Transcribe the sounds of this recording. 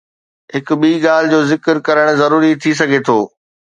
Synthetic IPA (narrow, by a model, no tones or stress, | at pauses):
ɦɪk̆ɓiːɡaːl̤ɪd͡ʑoːzɪkəɾkɐɾəɽ̃zɐɾuːɾit̪ʰis̬ɐɡʱet̪ʰoː